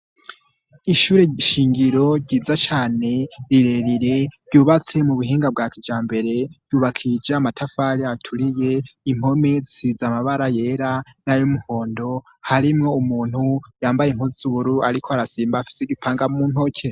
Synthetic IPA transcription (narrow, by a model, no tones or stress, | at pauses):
iʃuːɾeiʃiːŋɡiɾo̞ɟiːzat͡ʃaːne̞ɾiɾe̞ɾiɾe̞ɾɟuːβat͡se̞muβuɦiːŋɡab̚ɡaːkid͡ʒaːmbe̞ɾe̞juːβakʰid͡ʒamatʰafaɾiatʰuɾije̞im̥ho̞me̞zisizamaβaɾaje̞ɾanajomuho̞ːndo̞ | haɾimŋo̞umuːn̥hujaːmbajeŋhuzuβuɾuaɾikʰoaɾasiːmbaːfi̥seɡipʰaːŋɡamunhocʰe